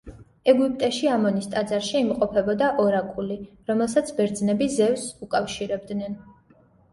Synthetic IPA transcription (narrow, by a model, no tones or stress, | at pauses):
ɛɡupʼt̪ʼɛʃiamɔnist̪ʼad̪zaɾʃiːmqʼɔpʰɛbɔd̪aʔɔɾakʼuli | ɾɔmɛlˠsat̪sʰbɛɾd̪znɛbizɛvsukʼafʃiɾɛb̚d̪nɛn